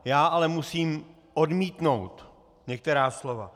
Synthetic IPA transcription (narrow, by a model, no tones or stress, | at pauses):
jaːʔalɛmusiːm | ʔodmiːt̪no̞wt̪ | ɲɛk̚t̪ɛɾaːslo̞va̰